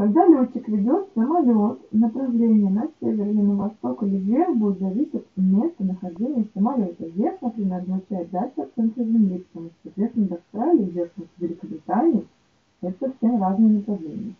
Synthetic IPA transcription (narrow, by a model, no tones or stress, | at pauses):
k̪ɐɡd̪alʲot͡ɕːɪkvʲɪdʲo̞t̪səmɐlʲo̞t̪nəpɾɐvlʲenʲɪjənɐsʲevʲɪrnəməvɐst̪o̞kəlʲɪɡʲerbudʲɪt̪zɐvʲisʲɪt̪mʲest̪ənəxɐʐdʲenʲɪjəsəmɐlʲo̞t̪əvʲexnɐpɾʲɪnʲeɾəznat͡ɕæjɪt̪̚d̪alʲʂɨtt̪sɛnt̪ɾəzʲɪmlʲik̪ɐmusɐt̪vʲet̪st̪nəd̪ʲafst̪ɾalʲɪːvzʲert̪ut̪vʲɪlʲɪkəbɾʲɪt̪anʲɪɪ | ɛt̪əsɐfsʲemraznɨjənəpɾɐvlʲḛnʲɪjə